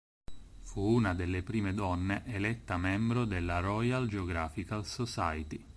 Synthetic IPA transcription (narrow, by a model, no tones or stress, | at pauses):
fuːnad̪elːepɾiːmed̪ɔnːeʔelɛt̪ːamɛmbɾod̪elːaɾɔjald͡ʒeoɡɾaːfikalsosajit̪i